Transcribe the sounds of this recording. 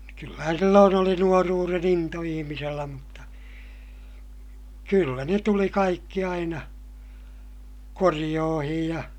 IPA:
kylːæhæn silːoːn oli nuoruːren into ihimiselːæ mutːɑ kylːæ ne tuli kɑikːi ɑinɑ korij̆oːhij jɑ

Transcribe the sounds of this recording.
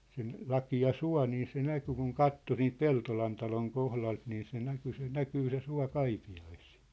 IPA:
sen lɑkiɑ suɑ̝ niː se næky kuŋ kɑtːo siːnt peltolɑn tɑloŋ kohlɑlt niː se næky se nækyː se suɑ kɑipiɑisi̥ː

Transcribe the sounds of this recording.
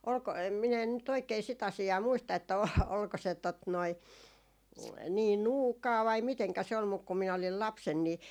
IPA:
olko min en nyt oikei sit ɑsiɑː muistɑ etːæ o olko se tot noi niː nuːkɑː ʋɑi miteŋkæ se ol muk ku minæ olil lɑpsen ni

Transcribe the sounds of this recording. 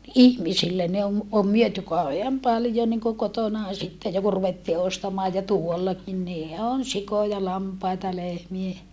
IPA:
ihmisilːe ne om om myøty kɑuheɑm pɑljo niŋko kotonɑˑ sitːe jo ku ruʋetːiː ostɑmɑː jɑ tuolːɑkin niː on sikojɑ lɑmpɑitɑ lehmie

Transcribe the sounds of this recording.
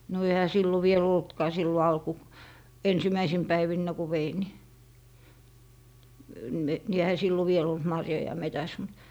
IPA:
no ehæ silːo ʋiel oltkɑː silːo ɑlku ensimæisim pæiʋinːæ ku ʋein ni ni ehæ silːo ʋiel olt mɑrjojɑ metæs mut

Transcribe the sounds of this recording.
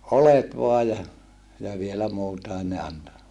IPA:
olet ʋoɑj jɑ jɑ ʋielæ muːtɑen ne ɑnto

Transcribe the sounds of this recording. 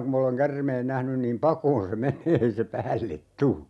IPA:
kum m oleŋ kærmeːn næhnyn niːm pɑkoːn se meneː ei se pæːlːet tu

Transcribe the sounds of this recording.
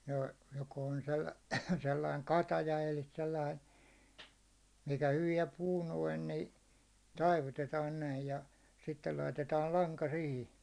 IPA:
no joko on sel selːɑiŋ kɑtɑjɑ elˑi selːɑin̞ mikæ hyʋiɛ puː noin ni tɑiʋutetɑːn næij jɑ sitːel lɑitetɑːl lɑŋkɑ sihi

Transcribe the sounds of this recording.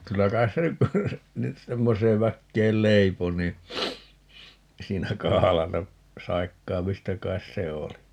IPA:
kylːæ kɑis se ny nyt semːoseːʋ ʋækːeːl leipo niː siːnæ kɑhɑlɑtɑ sɑikːɑːmistɑ kɑis se oli

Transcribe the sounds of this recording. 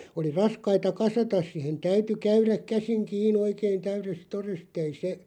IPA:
oli rɑskɑitɑ kɑsɑtɑs sihen tæyty kæyræk̆ kæsiŋ kiːn oikein tæyrest torest ei se

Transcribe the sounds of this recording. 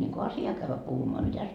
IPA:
niŋku ɑsjɑː kæʋːæ puhumoɑ mitæs

